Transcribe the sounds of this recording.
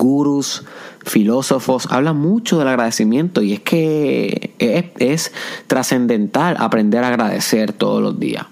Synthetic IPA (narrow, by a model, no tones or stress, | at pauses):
ɡuɾusfilo̞so̞fo̞sa̰βlamũt͡ʃoð̞e̞laɣɾaðe̞simjẽ̞nt̪o̞ie̞skʰe̞ | est̪ɾase̞nd̪ẽ̞nt̪ala̰pɾe̞nd̪e̞ɾaːɣɾaðe̞̰se̞ɾt̪o̞ðoslo̞̰zd̪ḭa̰s